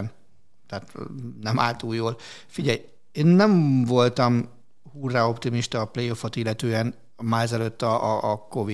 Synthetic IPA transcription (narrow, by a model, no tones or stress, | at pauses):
n | t̪aːt̪nɛma̰ːlt̪uːjːoːl | fiɟɛj | eːnːɛɱvo̞lt̪ɒm | huːrːao̞pt̪imiʃt̪ɒːplejofo̞t̪ilːɛt̪øːɛn | maːɾzɛløːt̪ːɒːko̞vi